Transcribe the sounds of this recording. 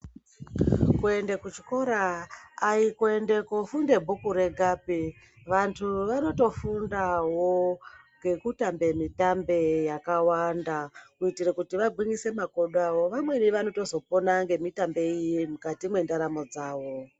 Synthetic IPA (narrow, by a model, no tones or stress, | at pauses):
kue̞ndekut͡ʃi̥ko̞ɾaː | ikue̞nde̞kofunde̞bʱukuɾe̞ɡʱaːpi | ʋantʰuʋano̞to̞fundawoŋɡe̞kutambe̞mitambe̞jakawandakuitirekutiʋaɡʱwiŋise̞mako̞ɗawo̞ʋamwe̞niʋano̞to̞zo̞po̞naŋɡe̞mitambe̞ijemukatimwe̞ndaɾamo̞d͡zaːʋo̞